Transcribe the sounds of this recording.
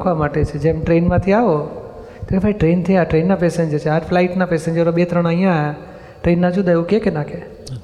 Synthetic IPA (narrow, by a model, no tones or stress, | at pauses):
kʰʋamaʈet͡ʃʰed͡ʒeːmʈɾeːnmãt̪ʰiaʋo | t̪ekepʰaːiʈɾeːnt̪ʰijaʈɾeːnːapeːsẽɲd͡ʒət͡ʃʰeɦəɾflaːɪʈnapesẽɲd͡ʒəɾoɓet̪ɾəɽ̃əɦijãja | ʈɾeːnːãd͡ʒud̪aukekenake